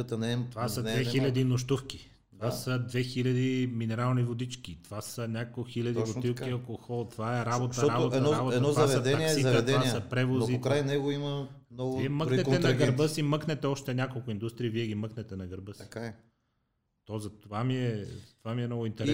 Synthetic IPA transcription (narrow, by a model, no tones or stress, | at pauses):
ət̪ənɛovasɐnd̪vɛxilʲɐd̪inoʃt̪ufki̥ | t̪ovasəd̪vɛxilʲɐd̪iminɛɾalˠnivod̪it͡ʃkit̪ovasənʲakxilʲɐd̪ivot̪ilˠkiɐkoxɔlˠt̪ovaɛɾabot̪əɾabot̪əɾabot̪ːɔvɐavɛɐd̪ɛɐikːsiɛd̪ɛvnasɐpɾɛvonzikɾajnɛɡoiməmnɔɡviɛməkɾɛɛnɐɡəɾbəsimɤknɛt̪ɛɔʃt̪ɛnʲakolˠkʊind̪ust̪ɾiːviɛɡiməknɛt̪ɛnɐɡəɾbəsi̥ | t̪ɔzɐt̪ovamiɛzɐt̪ovamiɛmnɔɡʊint̪ɛɾɛ